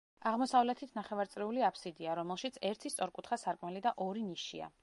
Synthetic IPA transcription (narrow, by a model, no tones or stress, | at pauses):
aʁmɔsavlɛt̪ʰit̪ʰnaχɛvaɾt̪sʼɾɛuliapʰsid̪iaɾɔmɛlˠʃit̪sʰɛɾt̪ʰist̪sʼɔɾkʼut̪ʰχasaɾkʼmalid̪aʔɔɾiniʃia̰